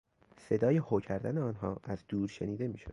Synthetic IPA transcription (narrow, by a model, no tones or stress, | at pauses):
se̞d̪ɒːjehocʰæɾd̪æneɒːnɦɒːʔæzd̪uːɾʃe̞niːd̪e̞miːʃo̰d̪